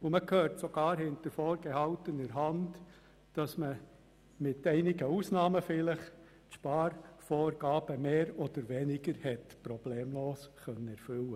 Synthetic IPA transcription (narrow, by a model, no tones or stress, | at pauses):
ʊməkʰhøːɾtsoɡ̥ɑːɾhɪnt̪əɾfoːɾɡ̥ehɑltənəɾɦɑnd | d̥ɑsmə | mɪtɛɪnɪɡəusnɑːməfɪləχ | tʃpɑːɾfoːɾɡ̥ɑːb̥əmeːɾɔd̪̥əɾʋɛnɪɡ̥əɾhɛtpɾɔb̥leːmloːskœnːəɛɾfʏlə